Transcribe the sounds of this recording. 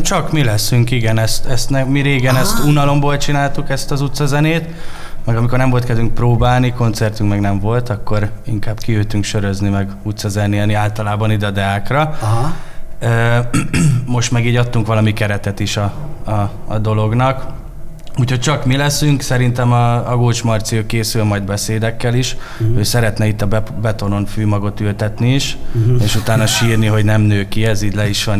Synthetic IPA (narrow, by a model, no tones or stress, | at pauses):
t͡ʃɒkmilɛsyŋkiɡɛnɛst̪ɛst̪nɛmiɾeːɡɛnɛst̪unɒlo̞mboːlt͡ʃinaːlt̪ukɛst̪ɒzut̪sɒzɛneːt̪ | mɛɡɒmiko̞rnɛɱvo̞lt̪kɛzyŋk̚proːbaːlniko̞nt̪sɛrt̪yŋkmɛɡnɛɱvo̞lt̪ɒkːo̞ɾiŋkaːbkiøːt̪yŋkʃø̞ɾøznimɛɡ | ut̪sɒzɛnːiɛniaːlt̪ɒlaːbɒnid̪ɛɒd̪ɛaːkrɒ | øː | mo̞ʃt̪mɛɡiːɟɒt̪ːuŋkʋɒlɒmikɛɾɛt̪ɛt̪iʃɒ̰ː | d̪o̞lo̞ɡnɒk | uːcho̞c̚t͡ʃɒkmilɛsyŋksɛɾin̪t̪ɛmɒɒɡoːt͡ʃmɒrt̪siøːkeːsylmɒjd̪bɛseːd̪ɛkːɛliʃ | øːsɛɾɛt̪nɛit̪ːɒbɛt̪o̞no̞nfyːmɒɡo̞t̪ylt̪ɛt̪niiʃeːʃut̪aːnːɒʃiːrniɦo̞ɟnɛmnøːkiɛziːɟʲlɛiʃʋɒn